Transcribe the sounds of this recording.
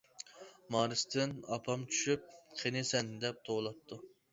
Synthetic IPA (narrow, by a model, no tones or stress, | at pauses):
mɑːɾɨst̪ʰɪnɑpʰɑmt͡ʃʰy̥ʃyp̚qʰenesɛnd̪ɛp̚t̪ʰolˠɑp̚t̪ʰu